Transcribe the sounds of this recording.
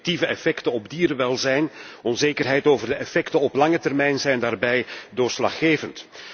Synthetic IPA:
tivəɛfɛktənɔbdiːɾəʋɛlˠzɛjnɔnzeːkərɦɛjtoːvərdəɛfɛktəɔplɑŋətɛrmɛjnzɛjndaːrbɛjdoːslɑχːeːvənt

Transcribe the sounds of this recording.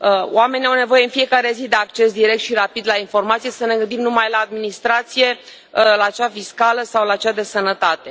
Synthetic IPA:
əo̰ame̞niawne̞vo̞je̞ɨnfije̞kaɾe̞zid̪e̞ak̚t͡ʃe̞sd̪iɾe̞k̚t̪ʃiɾapid̪lainfo̞rmat̪sijesəne̞ɡɨnd̪imnumajlaːd̪minist̪ɾat̪sije̞ | laːt͡ʃafiskaləsawlaːt͡ʃead̪e̞sənət̪at̪e̞

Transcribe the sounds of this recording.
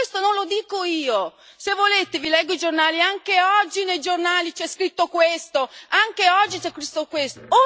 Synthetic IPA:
est̪onõnlod̪iːkoiːo | sevːoleːt̪evilɛɡːoid͡ʒornaːliaŋkeɔd͡ʒːinejd͡ʒornaːlit͡ʃɛskɾit̪ːokwest̪oaŋkeɔd͡ʒːit͡ʃɛkːɾist̪okwest̪oo

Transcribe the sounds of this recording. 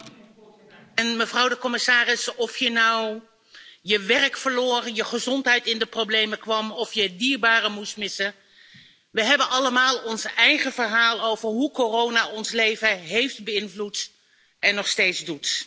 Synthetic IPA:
ɛnməvrɑwdəkɔmɪsaːrɪsɔfjənɑw | jəʋɛrkfəɹloːrənjəχəzɔntɦɛjtɪndəprowblejməkʋɑmɔfjədiːɹbaːrəmustmɪsə | ʋəɦɛbənɑləmaːlˠɔnsɛjχəvəɹɦaːlˠowvəɹɦukorownaɔnslejvəɦejftbəɪnvlut | ɛnːɔχstejtzdut

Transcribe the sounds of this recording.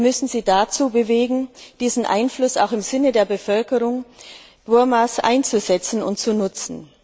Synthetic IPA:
mʏsn̩ziːdat͡suːbəveːɡŋ̩d̥iːzn̩ʔa̰ɪnflʊsa̰ʊxɪmzɪnədeːɐbəfœlkəʁʊŋ | v̥ʊɐmasʔa̰ɪnt͡suzɛt͡sn̩ʊ̰ntt͡sunʊt͡sn̩

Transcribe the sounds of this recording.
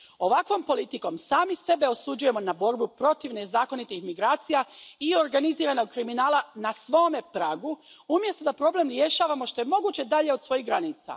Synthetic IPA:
o̞ʋakʋo̞mpo̞lit̪iko̞msaːmise̞be̞o̞sud͡ʒuje̞mo̞nabo̞ɾbupɾo̞t̪iʋne̞zaːko̞nit̪ixmiɡɾaːt̪sijaio̞ɾɡaniziːɾano̞ɡ̚kɾiminaːlˠanasʋo̞ːme̞pɾaːɡuumjest̪o̞d̪apɾo̞ble̞mɾje̞ʃaːʋamo̞ʃt̪o̞je̞mo̞ɡuːt͡ɕe̞d̪aʎe̞od̪sʋo̞jiɦɡɾaniːt̪sa̰

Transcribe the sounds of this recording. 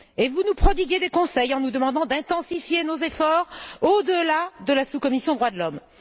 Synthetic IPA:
evunupχɔd̪iɡʲed̪ekɔ̃sɛjɑ̃nud̪əmɑ̃d̪ɑ̃d̪ɛ̃t̪ɑ̃sifjenozefɔʁod̪əlad̪əlasukɔmisjɔ̃d̪ʁwad̪əlɔm

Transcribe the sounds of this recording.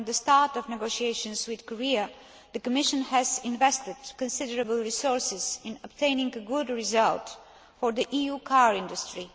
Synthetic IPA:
nðəstɑɹtɔvnɛɡoʊʃieɪʃə̃nswɪð̥kɔɹiə | ðəkəmɪʃə̃nhɛzɪ̃nvɛstɪd̥kə̃nsɪdəɹəbəlˠɹisɔɹsɪz̥ɪ̃nəbtʰẽɪ̃nɪ̃ŋɡəɡʊdɹizʌlˠt | fɔɹðiʔijukʰaɹɪ̃ndustɹi

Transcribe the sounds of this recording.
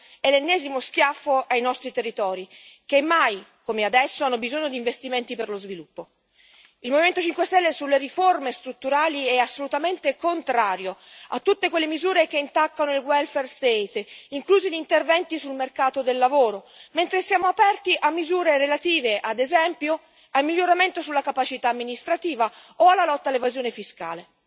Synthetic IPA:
ɛlenːɛːzimosk̟jafːoʔajnɔst̪ɾit̪erːit̪ɔːɾikemːajkomead̪ɛsːoanːobizoɲːod̪iːɱvest̪iment̪iperlozvilupːo | ilmoviment̪ot͡ʃiŋkwest̪ɛlːesulːeriformest̪ɾut̪ːuɾaːliɛasːolut̪ament̪ekont̪ɾaːɾjoat̪ːut̪ːekwelːemizuːɾek̟eint̪akːanoilɡwɛlfɛrst̪et̪iŋkluːziʎint̪ervɛnt̪isulmerkaːt̪od̪elːavoːɾo | ment̪ɾesjaːmoapɛrt̪iʔamːizuːɾeɾelat̪iːveʔad̪ezɛmpjo | almilʎːoɾament̪osulːakapat͡ʃit̪aːmːinist̪ɾat̪iːvaoalːalɔt̪ːalːevazjoːnefiska̰ːle

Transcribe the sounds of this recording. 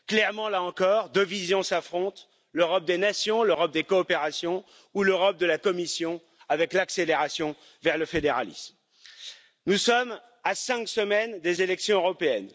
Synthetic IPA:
klɛʁmɑ̃laɑ̃kɔʁd̪øvizjɔ̃safχɔ̃t̪ | løʁɔp̚d̪enasjɔ̃løʁɔp̚d̪ekɔːpeʁasjɔ̃ | uløʁɔp̚d̪əlakɔmisjɔ̃ | avɛklakseleʁasjɔ̃ | vɛʁləfed̪eʁa̰lḭsm | nusɔm | asɛ̃ksəmɛnd̪ezelɛksjɔ̃øʁɔpeɛn

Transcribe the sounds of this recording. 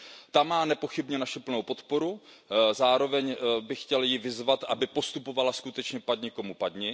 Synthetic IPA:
t̪amaːnɛpo̞xɪbɲɛnaʃɪpl̩nowpo̞t̪po̞ɾu | zaːɾo̞vɛɲbɪxcɛljɪvɪzvat̪ʔabɪpo̞st̪upovalaskut̪ɛt͡ʃɲɛpakɲɛko̞mupad̪ɲɪ

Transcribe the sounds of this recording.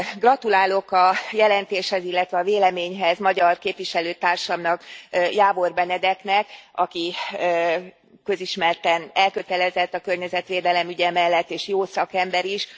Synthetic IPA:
ɡrɒt̪ulaːlo̞kɒjɛlɛnt̪eːʃhɛzilːɛt̪ʋɛɒːveːlɛmeːɲɦɛzmɒɟɒrkeːpʋiʃɛløːt̪aːrʃɒmnɒkjaːvo̞rbɛnɛd̪ɛknɛkɒki | kø̞ziʃmɛrt̪ɛnɛlkø̞t̪ɛlɛzɛt̪ːɒkørɲɛzɛt̪ʋeːd̪ɛlɛmyɟɛmɛlːɛt̪ːeːʃjoːsɒkɛmbɛɾiʃ

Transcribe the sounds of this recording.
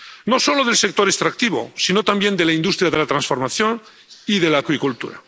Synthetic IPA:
no̞so̞loðelse̞k̚t̪o̞ɾe̞st̪ɾak̚t̪iβo̰sino̞t̪ambje̞nd̪e̞laind̪ust̪ɾjaðe̞lat̪ɾansfo̞ɾmaθjo̞n | iðe̞laːkwikult̪ṵɾa̰

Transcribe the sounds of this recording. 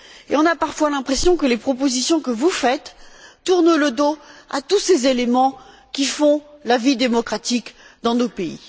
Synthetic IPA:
ḛɔ̃napaʁfwalɛ̃pχesjɔ̃kəlepχɔpozisjɔ̃kəvufɛt̪ːuʁnləd̪oa̰t̪usezelemɑ̃ | kʲifɔ̃lavid̪emɔkχat̪ikd̪ɑ̃nopeḭ

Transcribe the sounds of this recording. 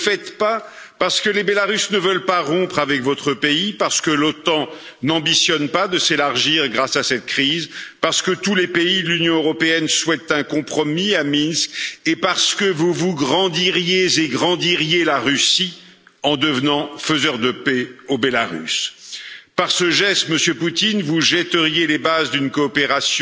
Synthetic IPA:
fɛt̪pa | paʁsə̥kəlebelaʁysnəvœlpaʁɔ̃pχavɛkvɔt̪χəpeipaʁsə̥kəlot̪ɑ̃ | nɑ̃bisjɔnpad̪əselaʁʒiʁɡʁasasɛt̪̚kχizpaʁsə̥kət̪ulepeilynjɔ̃øʁɔpeɛnswɛt̪ɛ̃kɔ̃pχɔmiaminskʲepaʁsə̥kəvuvuɡʁɑ̃d̪iʁjezeɡʁɑ̃d̪iʁjelaʁysi | ɑ̃d̪əvnɑ̃fəzœʁd̪əpeobelaʁy̰s | paʁsəʒɛst̪məsjøput̪invuʒɛt̪əʁjelebazd̪ynkɔːpeʁasj̃

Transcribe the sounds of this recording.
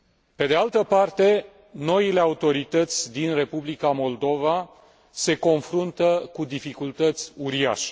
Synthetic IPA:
pe̞d̪e̞alt̪əpart̪e̞ | no̞ile̞aut̪o̞ɾit̪ət̪sʲd̪inre̞publikamo̞ld̪o̞va | se̞ko̞nfɾunt̪əkud̪ifikult̪ət̪sʲuɾia̰ʃe̥

